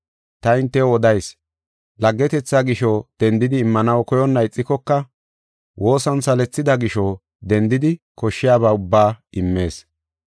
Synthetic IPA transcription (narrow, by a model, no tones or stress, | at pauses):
t̪ɐɪnt̪ːɛɔd̪ɐjs | lɐɡːɛt̪ɛt͡sːaɡɪʃɔd̪̥ɛnd̪ɪd̪ɪːmːɐnɐwkɔjɔnːɐjɪt͡sʼːɪkɔkːɐ | wʔo̞ːsɐnsɐlɛt͡sːɪd̪ɐɡɪʃɔ | d̪ɛnd̪ɪd̪ɪ | kɔʃːɪjaːβaːʊbːaːʔɪmːe̞ːs